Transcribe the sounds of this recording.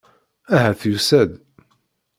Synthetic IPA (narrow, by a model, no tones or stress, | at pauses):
æɦæθjusæd̪